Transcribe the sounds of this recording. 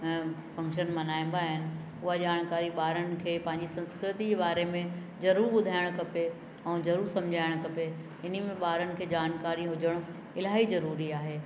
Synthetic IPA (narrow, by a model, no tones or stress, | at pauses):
fɐ̃ŋkʃənmɐnaːɪ̃n̆d̪aːɦɪnɪ̆ | ʊɦad͡ʑaːɽ̃kaːɾiɓaːɾənɪ̆kʰeːpɐ̃ɦɪ̃ɲd͡ʑisɐ̃nskɾɪt̪id͡ʑebaːɾemẽ | zɐɾuːɾɓʊd̪ʱaːɪɽ̃kɐpe | ɛ̃ːzɐɾuːɾsɐ̃md͡ʑʱaːɪɽ̃kɐpe | ɪnimẽɓaːɾənɪ̆kʰeːd͡ʑaːnkaːɾiɦʊd͡ʑəɽ̃ʊ | ɪlaːɦizɐɾuːɾiaːɦeː